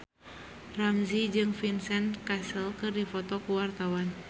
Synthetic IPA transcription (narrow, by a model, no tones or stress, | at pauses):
ramzid͡ʒɨŋfinsɛnkasəlkɨrdifɔt̪ɔkuwart̪awan